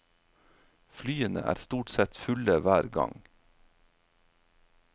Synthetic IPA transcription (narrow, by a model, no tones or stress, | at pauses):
flyːənə̰ʔæ̰ːɾst̪uːʈsɛt̪fʉləʋæːɾɡɑ̰ŋ